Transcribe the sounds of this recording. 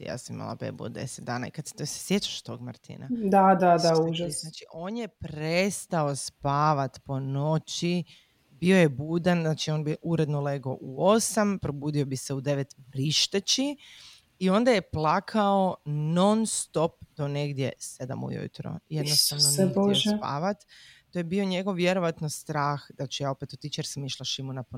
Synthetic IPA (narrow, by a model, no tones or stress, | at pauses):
ja̰ːsamḭma̰lˠa̰bḛːbṵd̪ḛset̪̚d̪aːna̰ḭkad̪se̥t̪ose̥sje̞t͡ʃḁʃt̪o̞̰ɡmaɾt̪ḭna̰d̪ad̪ad̪aunaːt͡ʃiʔo̞ːnjepɾest̪aospaːʋat̪po̞no̞t͡ʃi | bio̞jebuːd̪anznaːt͡ʃio̞ːnbiʔuɾed̪noleɡo̞ʔuo̞sampɾo̞buːd̪io̞biseud̪e̞ʋet̪bɾiʃt̪et͡ɕi | io̞nd̪aje̞plˠakʰaono̞nst̪o̞p̚d̪o̞ne̞ɡd̪je̞̰se̞d̪a̰mṵjṵt̪ɾo̰jed̪nost̪aʋnnonospa̰ːʋat̪t̪ojebioɲe̞ɡo̞ʋʋje̞ɾo̞ʋat̪nost̪ɾaːxd̪at͡ʃejaːopet̪ot̪it͡ʃjeɾsamiʃlˠaʃimunapo